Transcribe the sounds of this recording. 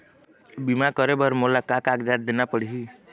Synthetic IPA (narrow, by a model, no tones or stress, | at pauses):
bimakəɾebəɾmolakakakd̪at̪̚d̪enapəɽiɦi